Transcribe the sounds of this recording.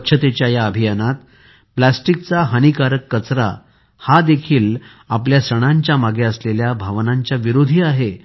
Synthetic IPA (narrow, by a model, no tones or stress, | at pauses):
kɕʰət̪et͡ɕjajaəbʱijanat̪ | plasʈik̚t͡saɦənikaɾəkːət͡sɾa̰ | had̪ekʰiːl | apljasəɽ̃aɲt͡ɕjamaɡeəsleljabʱaʋnaɲt͡ɕjaʋiɾod̪ʱiːaɦe